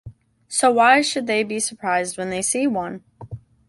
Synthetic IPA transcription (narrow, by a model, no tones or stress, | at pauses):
soʊwaɪʃɨd̪̚ðeɪbisə˞pʰɹ̥aɪzd̚wə̃nðeɪsiwʌ̃n